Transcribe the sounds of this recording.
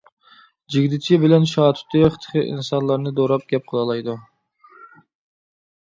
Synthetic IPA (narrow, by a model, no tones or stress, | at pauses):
d͡ʒiɡʲd̪ɪt͡ʃʰibɪlɛnʃɑːt̪ʰy̥t̪ʰːɨχə̥t̪ʰə̥χʰɨʔḭnsɑnlˠɑɾnɨd̪oɾɑp̚ɡʲɛp̚qʰəlˠɑlˠɑjd̪u